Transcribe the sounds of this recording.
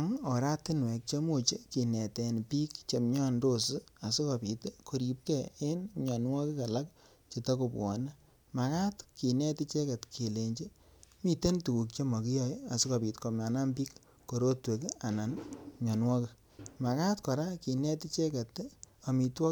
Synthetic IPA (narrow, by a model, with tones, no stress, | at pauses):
ŋɔ˨ɾa˦tɪ˦nwɛ˨k̚t͡ʃo˦mo˨t͡ʃe˦ki˨nɛ˨tɛ˨npiː˦kt͡ʃe˨mɲɔ˦ndo˦˨si˦a˨si˦ko˨pi˨tko˨ɾi˨p̚kɛ˦e˦nɲɔ˨nwɔ˦ki˦ka˨la˦k | t͡ʃe˨ta˦ko˨pwɔ̰˨na˦ | ma˨ka˦tki˨nɛ˦ti˦t͡ʃe˦kɛ˨tkʰe˨le˨ɲd͡ʒe˦ | mi˨te˦ntu˨ku˨k̚t͡ʃe˦mɔ˨ki˦jɔ˦ja˨si˦ko˨pi˨tko˨ma˨na˦np̬iː˦kː | o˨ɾo˦twe˨ka˨na˨nɲɔ˨nwɔ˦ki | ma˨ka˦tkɔ˨ɾa˦ki˨nɛ˦ti˦t͡ʃe˦kɛ˨ta˨mi˨twɔ˦